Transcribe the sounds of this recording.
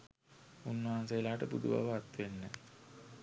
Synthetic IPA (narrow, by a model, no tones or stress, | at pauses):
unːəaːnsejəlaːʈəpud̪uba̰ʋəat̪ːʋenːə